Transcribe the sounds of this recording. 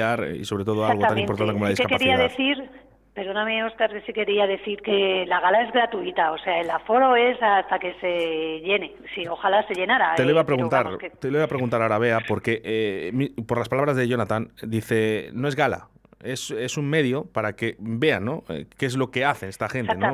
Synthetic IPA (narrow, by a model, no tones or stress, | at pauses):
aɾḭso̞βɾet̪o̞ð̞oalɣot̪anipoɾt̪anekoolaðiskekakaθɾiiaðeθiɾ | peɾðonamioskaɾkesike̞ɾiaðe̞θiɾke̞laɣalae̞zɣɾat̪uit̪ao̞se̞aelafo̞ɾo̞e̞sast̪ake̞se̞ʝe̞ne̞sio̞xalase̞ʎe̞naɾat̪eoiβapɾeɣunt̪aɾet̪eloiβapɾeɣunt̪aɾaoɾaβ̞e̞apo̞ɾke̞ʔmipo̞ɾlaspalaβɾazðeʝo̞nat̪and̪iθe̞no̞e̞zɣala̰ese̞suŋme̞ðjo̞paɾakebe̞anːo̞ḛkeezlo̞ke̞aθe̞nest̪axe̞neno